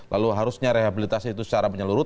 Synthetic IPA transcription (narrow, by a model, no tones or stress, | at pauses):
lʔaluɦaɾusɲaɾeɦabilit̪asiːt̪usə̥t͡ʃaɾapəɲəluɾʊt̪